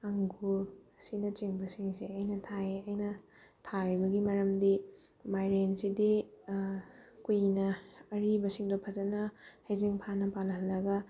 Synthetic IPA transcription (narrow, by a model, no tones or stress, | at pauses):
ɐŋɡusinɐt͡ʃiŋbɐsiŋseɐjnɐtʰaeɐjnɐ | tʰaɾibɐɡimɐɾɐmdi | majɾensidi | kujnɐːɾibɐsiŋdopʰɐd͡ʒɐnɐhɐjziŋpʰanɐpalɦɐlːɐɡɐ